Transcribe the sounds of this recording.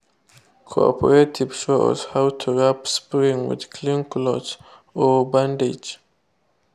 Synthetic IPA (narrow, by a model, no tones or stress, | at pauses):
kʰo̰ɔ̰pʰə̰ɹetʰiv̥ʃoɔ̰zhawtʰuɹapspɹĩŋwɪ̰d̪̥kʰlĩŋklɔt͡ʃ | ɔbãndid͡ʒ